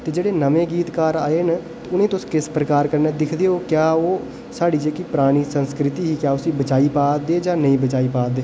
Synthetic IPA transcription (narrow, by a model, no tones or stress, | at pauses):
t̪eːd͡ʒeːɽeːnəʋẽːɡiːt̪kaːɾaːeːn | t̪eʊnẽːt̪ʊskɪspɾəkaːɾkəɾneːd̪ɪkʰd̪eːoːkjaːoː | saːɽiːd͡ʒeːkipɾaːɽ̃iːsə̃nskɾɪt̪iːɦiːkjaːʊsĩbət͡ʃaːiːpaːd̪eːd͡ʒaːnəĩːbət͡ʃaːiːpaːd̪eː